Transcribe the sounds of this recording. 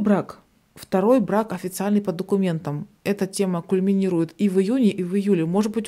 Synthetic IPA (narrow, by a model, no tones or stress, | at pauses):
bɾak | ft̪ɐɾo̞jbɾakɐfʲɪt̪sɨalʲnɨjpəd̪əkʊmʲe̞nt̪əm | ɛt̪ətʲe̞məkʊlʲmʲɪnʲiɾʊjɪt̪ivɪjunʲɪʔivɨjulʲɪmo̞ʐɨt̪̚bɨtʲ